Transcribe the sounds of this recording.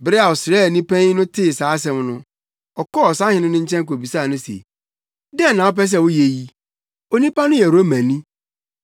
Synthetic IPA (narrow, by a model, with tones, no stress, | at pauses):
bɪ˦ɾɪ˦a˨wɔ˨sɪ˨ɾɛː˦˨nĩ˦pʰã˦n˦nʊ̃˦tʰɪ˦˨saː˨˦s̬ɛ̃˦mnʊ̃˦ | ɔ˨kɔ˦ɔ˨sã˦hɪ˦nʊ̃˦nʊ̃˦ɲ̩˦t͡ɕʰɛ̃˦ŋ˦ko˨bi˨sa˦˨nʊ̃˦sḛ˨ | dɛ˦n˨nã˨ɔ˦p̬ɛ˦s̬ɛ˦˨wʊ˦je˨ji˦ | o˦nĩ˦pa˦nʊ̃˦jɛ˨ɾo˦mæ̃˨nĩ˦